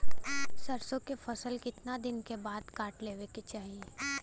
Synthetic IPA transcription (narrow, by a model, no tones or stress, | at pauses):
sɐɾsõkefʰɐsəlkɪt̪nad̪ɪnkebaːd̪kaːʈleːʋeket͡ʃaːɦie